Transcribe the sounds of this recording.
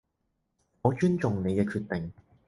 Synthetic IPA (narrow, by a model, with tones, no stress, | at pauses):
ŋɔː˨˧t͡ʃyː˥nt͡ʃʊ˨ŋne˨˧jkɛː˧kʰyː˧t̚t̪ɪ˨ŋ